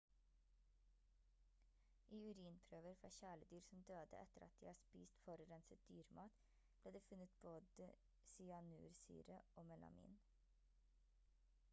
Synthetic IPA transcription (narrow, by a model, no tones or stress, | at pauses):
ʔiːʉɾiːnpʰɾøːʋəɾfɾɑ̰ːçæːɭəd̪yːɾsɔm̩d̪øːd̪ə̰ʔɛt̪əɾɑ̰t̪̚d̪̥iːhɑːspiːst̪fɔɾəɾɛnsət̪̚d̪̥yːɾmʔɑːt̪ | b̥leːd̪eːfʉnət̪̚b̥oːd̪ə | siːɑnʉ̰ːɾsy̰ːɾəʔoːmɛlɑ̰mḭːn